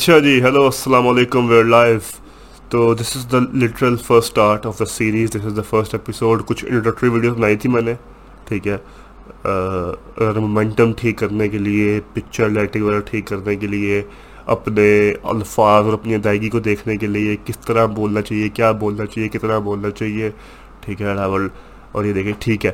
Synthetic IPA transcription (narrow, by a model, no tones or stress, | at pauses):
ɐtːʃʰad͡ʒiːɦɛloːɐsːɐlaːmɔleːkʊ̃mʋeɾlaːɪf | t̪oːd̪ɪsɪzd̪əlɪʈəɾəlfəɾsʈaːɾʈɔːfd̪əsiːɾiːzd̪ɪsɪzd̪əfəɾsʈɛpɪsoːɖkʊt͡ʃʰɪ̰̃ɳʈəʈɾiʋiːɖioːzbɐnaːit̪ʰimɛːne | ʈʰiːkɦɛː | ɐɡəɾmomɛ̃ɳʈə̃mʈʰiːkːɐɾnekeliepɪkt͡ʃəɾlɛːʈɪ̃ɡʋəɾəʈʰiːkːɐɾnekelie | ɐ̰pneɐ̰lfaːzɔːɾɐpnid̪aːɪɡikod̪eːkʰnekeliekɪst̪əɾaboːlnat͡ʃaːɦiekjaːboːlnat͡ʃaːɦiekɪt̪əɾaboːlnat͡ʃaːɦie | ʈʰiːkɦɛɽaːʋəl | ɔ̰ːɾjed̪eːkʰieʈʰiːkɦɛː